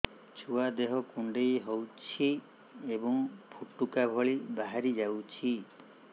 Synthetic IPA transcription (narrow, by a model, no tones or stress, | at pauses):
t͡ʃʰuad̪eɦɔkuɳɖejɦowt͡ʃʰi | ebɔŋpʰuʈːukabʱɔɭibaɦaɾid͡ʒawt͡ʃʰi